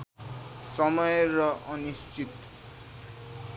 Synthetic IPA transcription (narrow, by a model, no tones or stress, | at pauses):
sʌmʌjrʌʔʌnist͡ʃit̪